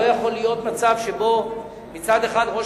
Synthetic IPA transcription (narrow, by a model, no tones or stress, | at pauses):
ojaχo̞lːijo̞t̪mat͡savʃe̞bo̞ | mit͡sad̪e̞χad̪ʁo̞